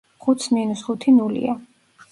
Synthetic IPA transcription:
χut̪sʰninusχut̪ʰinulḭa

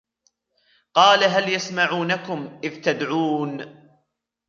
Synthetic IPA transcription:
qɑːlaɦaljasmaʕuːnakʊmʔɪðt̪ad̪ʕuːn

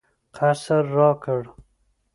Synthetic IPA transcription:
qʰasəɾːɑːkəɽ

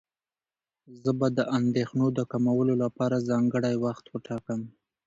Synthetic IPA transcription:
zəbad̪əʔand̪exnod̪əkamawəlolapɑɾazɑŋɡəɽajwaxt̪wəʈɑkəm

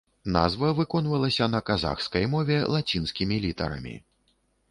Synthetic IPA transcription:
na̰zvɐvɨkɔnvɐlˠɐsʲɐnɐkaza̰xskɐjmɔvʲɛlˠat͡sʲinskʲimʲilʲit̪ɐ̰ɾɐ̰mʲḭ

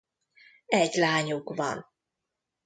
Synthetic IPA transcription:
ɛɟlaːɲukvɒ̰n

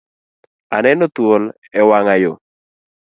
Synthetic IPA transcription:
anɛnot̪wol | ɛwaŋajo̰

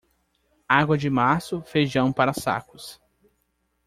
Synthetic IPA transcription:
aɡwɐd͡ʒɪmasʊfejʒɐ̃w̃paɾɐsa̰kʊs

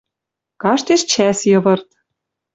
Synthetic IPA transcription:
kɑʃt̪eʃt͡ɕæsjɤ̆βɤ̆rt̪

